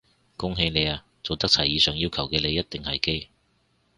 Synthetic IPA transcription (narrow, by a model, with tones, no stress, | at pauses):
kʊ˥ŋɦe˧jne˨˧jaː˧ | t͡so˨wt̪ɐ˥k̚t͡sʰɐ˨˩jiː˨˧sœː˨ŋjiː˥wkʰɐ˨˩wkɛː˧le˨˧jːɐ˥t̚t̪ɪ˨ŋhɐ˨jke˥j